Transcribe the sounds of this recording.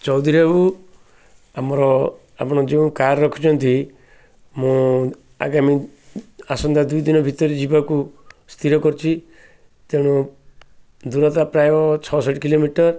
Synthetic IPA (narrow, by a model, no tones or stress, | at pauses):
t͡ʃɔwd̪ʱiɾebu | amɔɾɔ | a̰pɔɽ̃ɔd͡ʒeũkaɾɾɔkʰu̥t͡ʃʰɔnt̪i | mũ | a̰ɡami | asɔnd̪ad̪ujd̪inɔbʱit̪ɔɾid͡ʒibakust̪ʰiɾɔkɔɾt͡ʃʰi | t̪eɽ̃ɔ | d̪uɾɔt̪apɾajɔt͡ʃʰɔsɔʈkilomiʈɔɾ